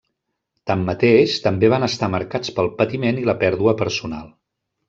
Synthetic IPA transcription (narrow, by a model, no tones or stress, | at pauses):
t̪amːət̪eʃt̪əmbeβanəst̪aməɾkat͡spəlˠpət̪imeniləpɛɾðuəpəɾsuna̰lˠ